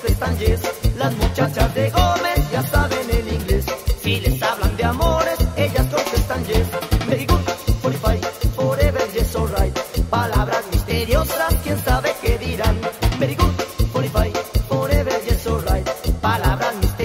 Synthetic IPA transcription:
sest̪anʝeslazmut͡ʃat͡ʃazðeɣomesʝasaβeneliŋɡlessilesaβland̪eamoɾeseʎaskonsest̪anʝesmeɾiɣupoɾifajpoɾeβelʝesorajt̪palaβɾazmist̪eɾjosaskjensaβekeðiɾaŋmeɾiɣupoɾifajpoɾeβelʝesorajt̪palaβɾazmist̪

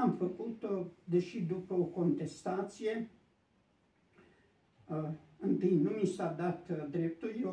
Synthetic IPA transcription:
amfəkut̪od̪e̞ʃid̪upəoko̞nt̪e̞st̪at̪sije̞ | ɨnt̪ɨjnumisad̪at̪d̪ɾe̞p̚t̪ulje

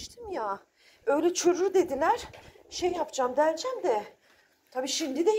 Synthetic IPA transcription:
ʃt̪ʰimja | ø̞jlʲɛt͡ʃʰøɾuɾd̪e̞d̪ilʲæɾ̥ | ʃejːapd͡ʒamd̪ælʲd͡ʒæmd̪ɛ | t̪ʰabiːʃind̪id̪ɛ

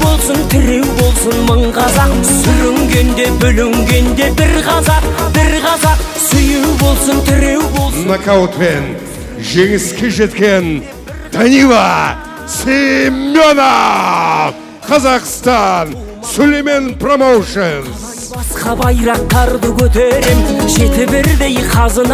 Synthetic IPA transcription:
bo̞lˠsənt̪ʰɪɾe̞wbo̞lˠsənməɴʁɑzɑqsʏɾɪŋɡʲe̞nd̪e̞bʏlɪŋɡʲe̞nd̪e̞bɪɾqʰɑzɑqbɪɾʁɑzɑqsʏjewbo̞lˠsənt̪ʰɪɾewbolˠsnakawt̪pe̞n | ʒe̞ŋɪskʲe̞ʒe̞t̪kʲe̞n | d̪̥ɑnivɑ | semːjona | qʰɑzɑqst̪ɑn | sɵleme̞npʰromowʃəz | bɑsqɑbɑjɾɑq̚t̪ɑɾd̪əkʲʰɵt̪eɾe̞mʒe̞t̪ɪbɪɾd̪e̞jqʰɑzən

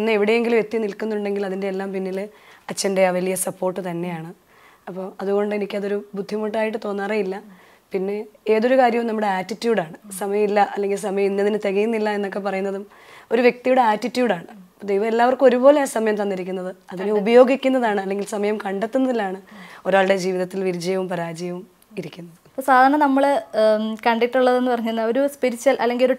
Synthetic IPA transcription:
inːɨeʋiɽe̞jeŋɡilmek̚t̪ːinilkːunːuɳɖe̞ŋɡilɐðinde̞ːlːaːmpinːilɐt͡ɕːɐnde̞aːʋɐlijɐsɐpːo̞ːrʈːɨt̪ɐnːe̞jaːɳɨ | ɐpːo̞ːɐðuɣo̞ɳɖɨenikʲːɐðo̞ɾubud̪ʱːimuʈ̬ːaːjiʈ̬ːɨt̪o̞ːnːaːrejilːɐ | pinːe̞e̞ːðo̞ɾukaːɾjɐumnɐmːuɽe̞aːtːitːjuːɖaːɳɨsɐmɐjɐmilːɐʔɐlːe̞ŋɡils̬ɐmɐjɐminːɐðinɨt̪eɣɐjunːilːɐe̞nːo̞k̬ːe̞p̬ɐrɐjunːɐðum | o̞ɾuʋje̞k̚t̪ijuɽeaːtːitːjuːɖaːɳɨ | d̪ejʋɐmelːaːʋɐrkɨo̞ɾubo̞ːleaːsɐmɐjɐmt̪ɐnːiɾik̬ʲːunːɐðɨɐðinubɐjo̞ːɡikʲːunːɐðaːɳɨɐlːe̞ŋɡilsɐmɐjɐmkɐɳɖet̪ːunːɐðilːaːɳɨo̞ɾaːɭɽe̞d͡ʑiːʋiðɐt̪ːilʋiɾid͡ʑɐjɐʋumpɐɾaːd͡ʑɐjɐʋum | iɾikʲːunːɐðɨɐposaːd̪ʱaːɾɐɳɐnɐmːɐɭ | kɐɳɖiʈːuɭːɐðe̞nːɨpɐrɐɲːunːɐoɾuspiɾit͡ɕːɐlʔɐlːeŋɡilo̞ɾu

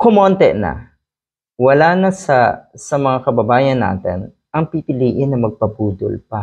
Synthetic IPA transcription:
kʊmoːnt̪ɛnɐ̰ | wɐlaːnɐsɐsɐmɐŋakɐbɐbaːjɐnːa̰ːt̪ɪ̰n | ʔɐŋpipɪliːʔɪnːɐmɐɡ̚pɐbuːd̪o̰lpɐ

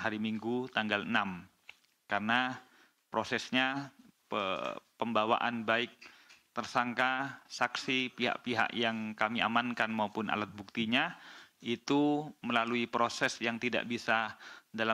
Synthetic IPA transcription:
haɾimiŋɡut̪aŋɡalənam | karəna | pɾosɛsɲapəpəmbawa̰ʔanbaɪk̚t̪ərsaŋkasaksipiɦa̰ʔpiɦa̰ʔjaŋkamia̰mankanmaupʊnʔa̰lat̪̚buk̚t̪iɲait̪uməlaluipɾosɛsjaŋt̪ida̰ʔbisadala

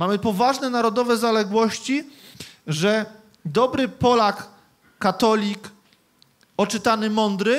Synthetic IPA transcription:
mamɘpɔvaʐnɛnaɾɔd̪ɔvɛzalɛɡwɔɕt͡ɕi | ʐɛ | d̪ɔbɾɘpɔlakː | at̪ɔlʲik | ɔt͡ʂɘt̪anɘmɔnd̪ɾɘ

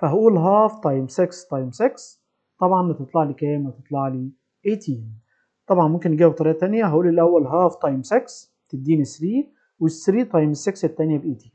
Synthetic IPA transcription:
fæɦæʔuːlɦæːft̪ˤɑjmsekst̪ˤɑjmseks | t̪ˤɑbʕɑnæt̪ɨt̪ˤlɑʕliːkæːmæt̪ɨt̪ˤlɑʕliː | ʔeːt̪ʰiːn | t̪ˤɑbʕɑnmomkɪnjɡiːb̚t̪ˤɑɾiːʔɑt̪ænjæɦæʔuːlːilʔæwːælɦæːft̪ˤɑjmseks | t̪ɪd̪ːiːnɪsɾiː | wɪsːɾiːt̪ˤɑjmɪsːeksɪt̪ːænjæbʔeːt̪iːn

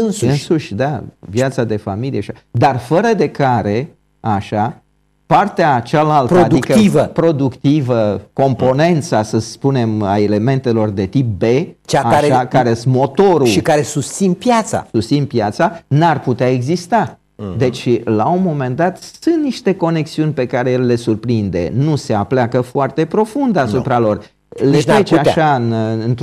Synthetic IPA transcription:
ɨnsuɨnsuʃʲd̪avjat̪sad̪e̞familijeʃa | d̪arfəɾəd̪e̞kaɾe̞ | aʃa | part̪eat͡ʃalaltpɾoad̪uikkəivəpɾo̞d̪ukt̪ivəko̞mpo̞ne̞nt̪sasəspune̞ma̰ele̞me̞nt̪e̞lo̞rd̪e̞t̪ip̚be̞t͡ʃaaaʃeakaɾesmo̞t̪o̞ɾuʃikaɾesust̪sinpjat̪sa̰sust̪sinpjat̪sanarput̪eae̞ɡzist̪a | d̪e̞t͡ʃʲlaunmo̞me̞nd̪at̪sunt̪niʃt̪e̞ko̞ne̞ksiunʲpe̞kaɾeelele̞surpɾind̪e̞̰nuse̞apleakəfoart̪e̞pɾo̞fund̪asupɾalo̞r | led̪ɾet͡ʃeaʃaɨnɨnt̪

